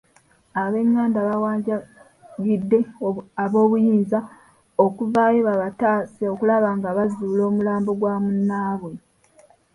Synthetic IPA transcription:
aβe̞ŋːaːndaβawaːɲɟa | ɡidːe̞aβo̞ːβujiːnza | okuvaːje̞βaβataːseo̞kulaβaːŋɡaβazuːlo̞ːmulaːmboɡwaːmunːaːβwe̞

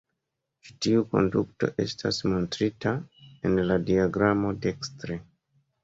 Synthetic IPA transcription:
t͡ʃi̥tiuko̞̰ndukto̞̰ʔe̞̰stʰasmo̞ntɾitaenladiaɡɾamo̞dekstɾe

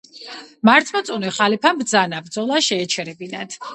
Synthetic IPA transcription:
maɾt̪ʰʼmɔt̪sʼunɛχalipʰambd̪zanabɾd̪zɔlˠaʃɛːt͡ʃʰɛɾɛbinad̪̥ʰ

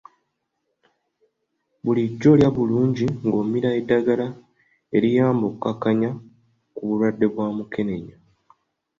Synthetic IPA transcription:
βuliɟːo̞ljaβuluːɲɟiŋɡo̞ːmiɾaedːaɡala | e̞ɾijaːmbokːakaɲa | kuβulwadːe̞βwamuke̞ne̞ɲa

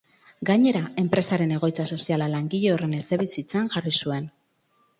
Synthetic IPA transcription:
ɡaɲe̞ɾae̞mpɾe̞saɾe̞ne̞ɣ̞o̞jt͡saso̞sialalaŋɡiʎe̞ore̞neseβisit͡seanʝarisue̞n

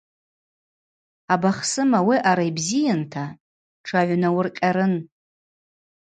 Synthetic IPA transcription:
abaχsɨmawiʔaɾaibzijantʰa | ʈ͡ʂʰaʕʷnawʊrqʲʼaɾɨn

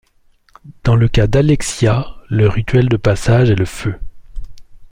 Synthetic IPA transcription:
d̪̥ɑ̃ləkad̪alɛksjaləʁit̪ɥɛld̪əpasaʒɛləfø

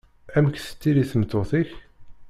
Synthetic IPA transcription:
æmkθə̥t͡sːiliθəmt̪ːoθiç

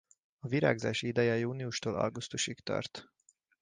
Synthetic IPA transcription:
ɒviɾa̰ːɡzaːʃiid̪ɛjɛjuːniuʃt̪oːlʔɒ̰lɡust̪uʃikt̪ɒ̰rt̪

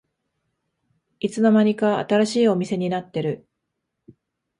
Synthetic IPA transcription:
it͡sɨno̞maɲ̟ika̰ːt̪aɾaɕiːo̞mʲise̞ɲ̟inat̪ːe̞ɾɯ̟

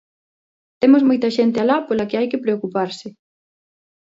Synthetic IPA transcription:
t̪emʊzmojt̪ɐʃent̪ɪalapolɐkɪajkɪpɾeokupaɾsɪ

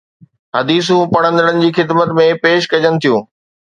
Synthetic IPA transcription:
ɦɐd̪iːs̬ũpɐɽ̃ə̃nd̪əɽənɪ̆d͡ʑiːxɪd̪mət̪mẽpeːʃkɐd͡ʑəñɪ̆t̪ʰijũː

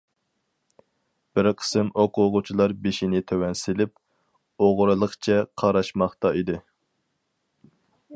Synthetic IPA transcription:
b̥ɪɾqʰə̥sɨmoqʊʁʊt͡ʃʰilˠɑɾbeʃinɪt̪ʰøwɛnsɪlɪp̚ | oʁɾɨlˠəχt͡ʃʰɛqʰɑɾɑʃmɑχt̪ɑid̪ɪ

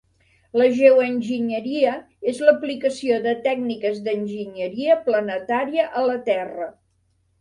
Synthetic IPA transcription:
ləʒewənʲʒiɲəɾiə | ezləplikəsioðət̪ɛɡ̚nikəzðənʲʒiɲəɾiəplənət̪aɾiəʔələt̪ɛrə

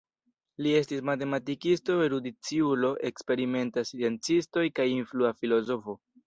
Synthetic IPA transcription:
lie̞stismate̞matikisto̞eɾudit͡siulo̞ʔe̞kspe̞ɾime̞ntasient͡sisto̞jkajinfluafilo̞zo̞fo̞

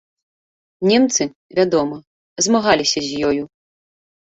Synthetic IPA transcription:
nʲɛmt̪sɨ | vʲad̪ɔmɐ | zmaɣalʲisʲɐzʲjɔju

